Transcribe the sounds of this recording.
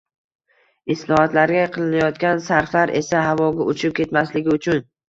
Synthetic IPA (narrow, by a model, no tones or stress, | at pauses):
ɪslˠɒhat̪laɾɡʲaqʰɨlˠɪnajɒt̪kʲansaɾflaɾʔe̞̰sahavɒɡʲaʊt͡ʃʰɪp̚kʲʰe̞t̪maslɪɡʲɪʊt͡ʃʰʊn